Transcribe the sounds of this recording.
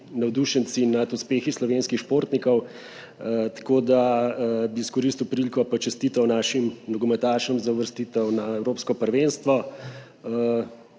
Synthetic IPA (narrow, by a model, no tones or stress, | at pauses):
nɐwd̪uʃənsinat̪uspeːxislɔʋenskixʃpoɾt̪nikɔw | t̪ḁkoːd̪abiːskɔɾist̪iwpɾilʲkɔpat͡ʃɛst̪iːt̪ɐwnaːʃimnɔɡɔmɛt̪aʃɔmzɐʋəɾst̪it̪ɛwnaɛwɾoːpskɔpəɾʋenst̪ʋɔ